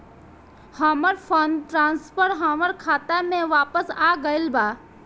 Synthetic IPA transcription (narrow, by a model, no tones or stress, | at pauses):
haːməɾpʰənʈɾãːnspʰəɾɦaːməɾkʰaːt̪amẽʋaːpəsaːɡəɪlbaː